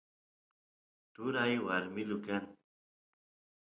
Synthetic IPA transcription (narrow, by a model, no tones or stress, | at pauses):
tʊɾajwaɾmɪlʊkan